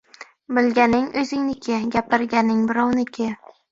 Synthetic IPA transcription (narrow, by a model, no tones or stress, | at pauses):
bɪlɡʲanɪŋɵzɪŋnɪkʲʰɪɡʲapʰɪɾɡʲanɪŋbɪɾɒwnɪkʲʰɪ